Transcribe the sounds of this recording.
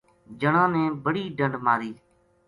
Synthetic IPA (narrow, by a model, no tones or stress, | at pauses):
d͡ʒəɳãːnẽːbəɽiːɖəɳɖmãːɾiː